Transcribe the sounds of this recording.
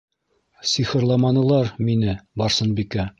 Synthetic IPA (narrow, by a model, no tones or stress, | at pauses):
siχɘ̆ɾlˠɑmɑnɤ̆lˠɑɾminɘbɒɾsɤnbikæ